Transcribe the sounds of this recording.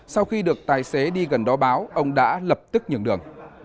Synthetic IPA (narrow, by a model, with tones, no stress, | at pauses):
sa˧wxi˧ɗɨ˨˩ək̚t̪aː˨˩jse˨˦ɗi˧ɣə˨˩nɗɔ˨˦ɓaː˨˦wʔə˧wŋ͡mɗa̰ː˧˥lə˨˩p̚t̪ɨ˦˥k̚ɲɨ˧˩əŋɗɨ˨˩əŋ